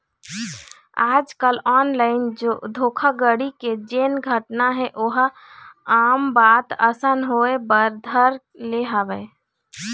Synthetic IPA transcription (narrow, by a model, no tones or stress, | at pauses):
ad͡ʒkəlɔːnlaɪnod̪ʱokʰaɡəɽiked͡ʒenɡʱəʈnaɦɛ̃ʔoɦ | ambat̪əsənɦoebəɾd̪ʱəɾ | leɦabɛ